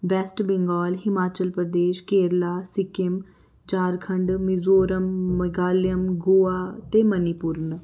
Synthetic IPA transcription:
ʋɛːsʈbɪŋɡɔːlɦɪmaːt͡ʃəlpɾəd̪eːʃkeːɾlaːsɪkɪm | t͡ʃaːɾkʰəɳɖmɪzoːɾəmːəɡaːljəmɡoːaːt̪eːmənɪpʊɾn

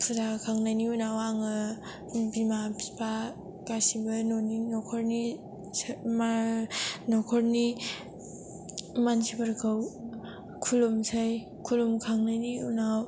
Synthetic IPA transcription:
pʰudakʰaŋnajniunawaŋɯ | bimapʰi̥pa | kasibɯnɔninɔkʰɔɾni | ma | nɔkʰɔɾni | mansʰibaɾkʰaw | kʰulumsʰaj | kʰulumkʰaŋnajniunaw

